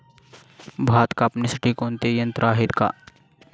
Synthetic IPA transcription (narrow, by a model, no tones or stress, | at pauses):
bʱaːt̪kapnɪsʈikoːnt̪ejɐ̃nt̪ɾaːɦɪt̪ka̰ː